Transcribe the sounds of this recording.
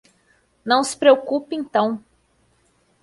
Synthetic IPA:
nɐ̃w̃sɪ̥pɾeokupẽt̪ɐ̃w̃

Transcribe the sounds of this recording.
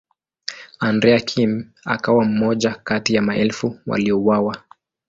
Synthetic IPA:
andɾɛakʰim | a̰kawam̩mɔʄakatijamaɛlfuwa̰liɔwawa

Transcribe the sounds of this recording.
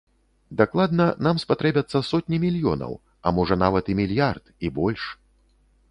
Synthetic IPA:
d̪aklˠad̪nɐnamspat̪ɾɛbʲɐt̪sːɐsɔt̪ʲnʲimʲilʲjɔ̰nɐ̰w | ɐ̰mɔʐɐnavɐt̪imʲilʲjart̪ibɔlʲʂ

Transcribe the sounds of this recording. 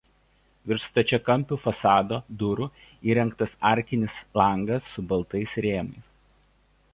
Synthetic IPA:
ʋʲɪɾst̪ɐt͡ʃʲɛkɐmʲˑpʲuːfɐsɑːd̪oːd̪ʊɾʊ | iːɾʲɛŋˑkt̪ɐsɑˑɾʲkʲɪnʲɪslˠɐˑŋɡɐsːʊbɐlˠt̪ɐɪsɾʲeːmɐɪs

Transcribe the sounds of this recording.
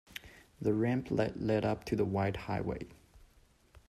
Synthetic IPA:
ðəɹæ̃mpʰlɛ̰lɛɾʌp̚tʰɨðəwaɪd̚ha̰ɪwḛɪ

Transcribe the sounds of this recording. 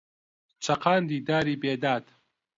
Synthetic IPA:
t͡ʃʰɐqʰaːnd̪iːd̪aːɾiːbeːd̪aːd̪

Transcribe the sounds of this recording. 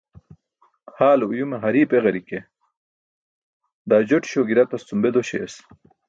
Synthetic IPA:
haːlujumeɦɐɾiːpeɣɐɾike | d̪aːd͡ʑoʈɕoɡiɾɐt̪ɐst͡sumbed̪oɕḛːs

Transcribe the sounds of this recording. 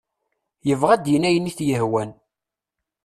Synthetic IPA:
jəvʁæd̪jənæjənːiθjəhwæn

